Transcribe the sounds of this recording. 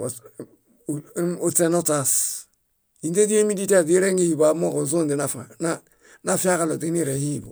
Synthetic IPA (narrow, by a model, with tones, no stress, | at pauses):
o˦t͡se˦no˦t͡sa˨s | i˨nte˦ti˦e˦mi˦di˦ta˨ti˦ɾe˦ŋɡi˦hi˨ba˨mo˦ko˨zo˦ndi˨na˨fna | na˦fi˦a˦ka˦lo˨ti˦ni˦ɾe˨hi˦˨bo̰˨